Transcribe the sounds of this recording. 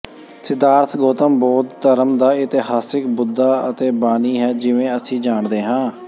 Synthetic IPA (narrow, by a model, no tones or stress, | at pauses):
sɪd̪aːɾt̪ʰɡoːt̪əmbɔːt̪ːəɾəmd̪aːɪt̪ɪɦaːsɪkbʊd̪ːaːət̪eːbaːniːɦɛːd͡ʒɪʋẽːəsĩːd͡ʒaːɳd̪eːɦãː